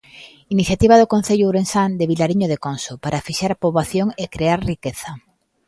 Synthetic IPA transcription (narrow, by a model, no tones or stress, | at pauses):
iniθjat̪iβ̞aðʊkõn̟θeʎʊɾensand̪eβilaɾiɲoðekonsopaɾʔafiʃaɾapoβaθjoŋekɾeaɾrikeθɐ